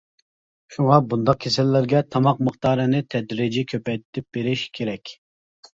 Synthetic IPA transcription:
ʃuŋɑbund̪ɑq̚kʲʰesɛlːɪɾɡʲɛt̪ʰɑmɑq̚məχt̪ɑːɾɨnɪt̪ʰɛd̪ɾɪd͡ʒikʲʰøpɛjt̪t̪ʰɪp̚beɾɪʃkʲʰeɾɛkʲ

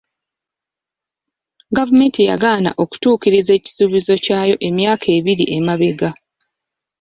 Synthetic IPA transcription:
ɡavume̞ːntija̰ɡaːna̰ʔo̞ku̥tuːciɾize̞ːci̥suːβizo̞caːjo̞ʔe̞mjaːkʰe̞ːβiɾḭʔe̞maβeɡa

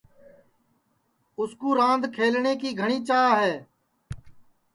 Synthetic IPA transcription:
ʊskuːɾãːnd̪ʱkʰeːlɳeːkiːɡʱəɳ̃iːt͡ʃaːɦɛː

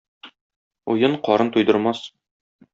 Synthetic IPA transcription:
ujɤɴqɒɾɤnt̪ujd̪ɤ̆ɾmɑs

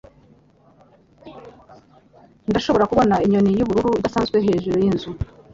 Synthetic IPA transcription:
ndaʃo̞βoɾakuβo̞naiɲo̞nijuβuɾuɾuidasaːnzɡwe̞ɦe̞ːʒuɾojinzu

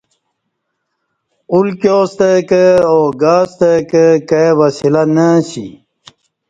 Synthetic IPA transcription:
ulkjoːst̪əkəoːɡaːst̪əkəkəwɐsilanəɕḭ

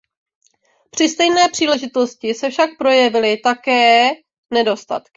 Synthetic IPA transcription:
pr̥ɪst̪ɛjnɛːpr̝̥iːlɛʒɪt̪o̞scɪsɛfʃak̚pɾo̞jɛvɪlɪt̪akɛː | nɛdo̞st̪a̰t̪kɪ̥

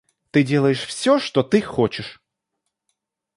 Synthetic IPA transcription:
t̪ɨdʲe̞lˠəjɪʂfsʲoʂt̪ot̪ɨxot͡ɕɪʂ

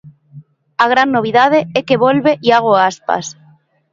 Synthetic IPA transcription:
aɣ̞ɾanːoβ̞iðað̞eekeβolβeʔiaɣ̞oaspa̰s

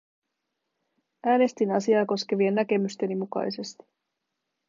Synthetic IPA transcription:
æːne̞st̪inɑsiɑːko̞ske̞ʋie̞nːæke̞myst̪e̞nimukɑ̰jse̞st̪i̥

